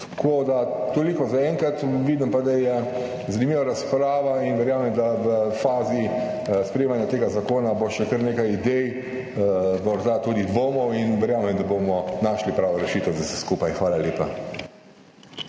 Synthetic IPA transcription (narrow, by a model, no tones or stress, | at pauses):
t̪kʰod̪at̪oːlikɔzaɛŋkɾat̪ʋid̪impad̪ajɛ | zanimiːʋaɾaspɾaːʋainʋɛɾjaːmɛmd̪aʋəfaːzi | spɾɛjemanjat̪eːɡazakoːnaboʃɛkəɾneːkajid̪ɛj | mɔɾd̪at̪uːd̪id̪ʋoːmɔwinʋɛɾjaːmɛmd̪abomɔnaːʃlipɾaːʋɔɾɛʃiːt̪ɛzasɛskuːpajxʋaːlaleːpa